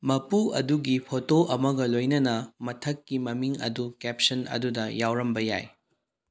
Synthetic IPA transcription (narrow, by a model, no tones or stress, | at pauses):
mɐpuɐ̰duɡipʰotoʔɐmɐɡɐlojnɐnɐmɐtʰɐkːimɐmiŋɐ̰dukep̚sɐnɐ̰dudɐjawɾɐmbɐja̰j